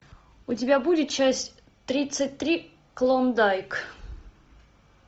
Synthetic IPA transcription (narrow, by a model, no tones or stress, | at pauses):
ʊtʲɪbʲabudʲɪt̪̚t͡ɕasʲtʲ | t̪ɾʲit̪sɨt̚ʲt̪ɾʲi | klˠond̪ajk